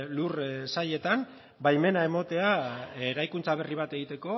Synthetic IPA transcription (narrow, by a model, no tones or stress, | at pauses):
lursaʎe̞t̪am | bajme̞nae̞mo̞t̪e̞aeɾajkunt͡saβ̞e̞riβ̞at̪eɣit̪e̞ko̞